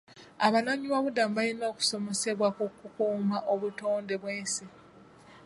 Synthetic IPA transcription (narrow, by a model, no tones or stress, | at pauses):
aβanaɲiβaβudambajinoːku̥so̞me̞se̞βwakukukuːmaʔoβuto̞ːnde̞βweːnse